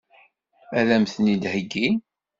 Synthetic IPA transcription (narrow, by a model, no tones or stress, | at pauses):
æðæmθnid̪həɡːi